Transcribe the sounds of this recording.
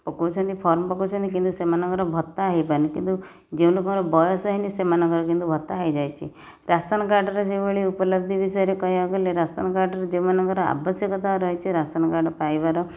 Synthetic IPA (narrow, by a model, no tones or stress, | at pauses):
pɔkowt͡ʃʰɔnt̪ipʰɔɾmɔpɔkowt͡ʃʰɔnt̪ikint̪usemanɔŋkɔɾɔbʱɔt̪ːaːɦipaɾnikint̪u | d͡ʒeũlokɔɾɔbɔjɔsɔɦinisemanɔŋɡɔɾɔkint̪ubʱɔt̪ːaɦajd͡ʒajt͡ʃʰḭ | ɾast̪anɔk̬aɾɖɔɾɔsebeɭiupɔlɔb̚d̪ʱibisɔjɔɾekɔɦjɔɡɔleɾast̪anɔkaɾɖɔɾɔd͡ʒew̃manɔŋkɔɾɔa̰bɔsjɔkɔt̪aɾɔɦjt͡ʃʰiɾasanɔkaɾɖɔpajbaɾɔ